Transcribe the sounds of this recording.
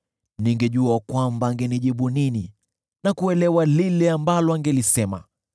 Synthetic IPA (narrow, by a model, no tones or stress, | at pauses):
niŋɡɛʄuakwambaːŋɡɛniʄiɓunini | nakuɛlɛwalilɛambalɔaŋɡɛlisɛma̰